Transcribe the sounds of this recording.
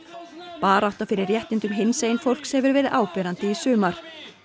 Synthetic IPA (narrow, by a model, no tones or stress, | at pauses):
paːɾaaht̪afɪɾɪɾːjɛht̪ɪnt̪ʏmɦɪnseːjnfowl̥kshɛvʏɾvɛːɾɪðʔaːwpɛɾant̪ɪisʏːmaɾ̥